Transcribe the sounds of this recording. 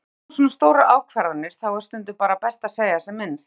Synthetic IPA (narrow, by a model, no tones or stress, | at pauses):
sɔːnast̪oːwɾaʔaːwkʰvɛɾðanɪɾ̥θawɛst̪ʏnt̪ʏpaːɾapɛst̪aseːjɣasɛmːɪnːs